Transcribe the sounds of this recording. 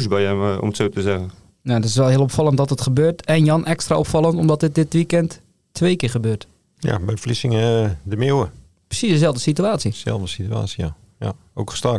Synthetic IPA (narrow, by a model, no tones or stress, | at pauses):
sbɛjɛ̰mətsoːtəzɛɣən | natɪs̬ʋɛlˠɦiəlˠɔpfɑlˠənt̚dɔtətxəbøːtʰɛnjɑnʔɛkstra̰opfɑlˠəntɔmdɔt̚dɪt̚dɪtʋikɛntʰː | ʋeːkɪɹχəbøːt | ja̰bɛjflisɪŋdəmewə | prə̥sisdəsɛlˠvdəsityaːsjəsɛ̰lˠvdəsitya̰ːtsija̰ | ja̰ | o̰wkə̥sta